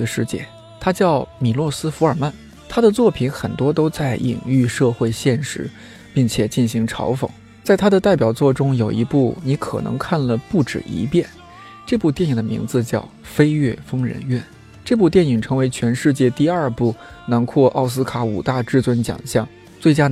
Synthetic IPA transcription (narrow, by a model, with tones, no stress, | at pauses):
ə˧ʂɻ̩˥˧t͡ɕjɛ̰˥˩ | t̪ʰa˥t͡ɕjɑ˥˩ʊmi˨˩lwɔ˥˩sɹ̩˥fu˧˥ə˞˨˩ma˥˩n | t̪ʰa˥d̪ə˨t͡swɔ˥˩pʰi˧˥nxə˨˩nt̪wɔ˥t̪o˥ʊt͡sa˥˩ɪʔḭ˨˩ŋy˥˧ʂɤ˥˧xwe˥˧ɪɕjɛ˥˩nʂɻ̩˧˥ | pi˥˩ŋt͡ɕʰjɛ˨˩t͡ɕi˥˩ɕi˧˥ŋʈ͡ʂʰɑ̰˧˥ʊfɤ̰˨˩˦ŋ | t͡sa˥˩ɪt̪ʰa˥d̪ə˨t̪a˥˩ɪpjɑ˨˩ʊt͡swɔ˥˩ʈ͡ʂʊ˥ŋjo˨˩ʊʔḭ˧˥pu˥˩ni˧˥kʰɤ̰˨˩nʔɤ̰˧˥ŋkʰa˥˩nlə˩pu˥˩ʈ͡ʂɻ̩̰˨˩ḭ˧˥pjɛ˥˩n | ʈ͡ʂɤ˥˧pu˥˧t̪jɛ˥˩ni˨˩ŋd̪ə˦mḭ˧˥ŋd͡zɹ̩˧t͡ɕjɑ˥˩ʊfe˥ɪɥɛ˥˩fɤ˥ŋɻə̰˧˥nɥɛ˥˩n | ʈ͡ʂɤ˥˧pu˥˧t̪jɛ˥˩ni˨˩ŋʈ͡ʂʰɤ˧˥ŋwe˧˥ɪt͡ɕʰɥɛ˧˥nʂɻ̩˥˧t͡ɕjɛ˥˧t̪i˥˧aɐ˞˥˧pu˥˩na˧˥nkʰwɔ˥˧ʔɑ˥˩ʊs̬ɹ̩˥kʰa˧˥u˨˩t̪a˥˧ʈ͡ʂɻ̩˥˩t͡swə˥nt͡ɕjɑ̰˨˩ŋɕjɑ̰˥˩ŋ | t͡swe˥˩ɪt͡ɕja˥